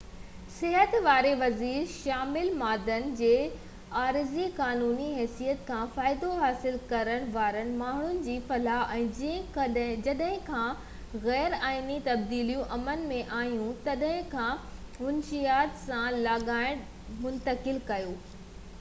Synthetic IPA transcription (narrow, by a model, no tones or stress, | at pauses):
sɪɦət̪ʋaːɾeʋɐziːɾʃaːmɪlmaːd̪ənd͡ʑeː | aːɾɪzikaːnuːniɦɛːsijət̪kʰãːfaːɪd̪oɦaːsɪlkɐɾəɽ̃ʋaːɾəñ̆maːɦɳ̤ʊnɪ̆d͡ʑiːfɐlaːʔɛ̃ːd͡ʑ̃ | d͡ʑɐɗɦɪ̃kʰã | ɣɛːɾaːɪnit̪ɐb̚d̪iːlijũʔɐmənmẽʔaːjũt̪ɐɗɦɪ̃kʰãːɦʊnʃijaːt̪sãlaːɠaːɪɽ̃ | mʊ̃nt̪əkɪlkɐjoː